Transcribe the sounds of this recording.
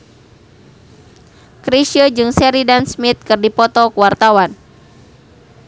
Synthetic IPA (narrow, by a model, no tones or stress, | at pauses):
kɾiʃəd͡ʒɨŋsɛɾidansmit̪̚kɨrdipɔt̪ɔkuwart̪awan